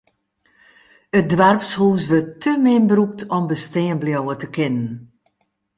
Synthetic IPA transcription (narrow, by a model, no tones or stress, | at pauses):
ət̚dʋarpshuːs̬ʋøtʰːømɪnbəɾup̚tʰɔmbəsteːənbljɔwətəkʰɪnən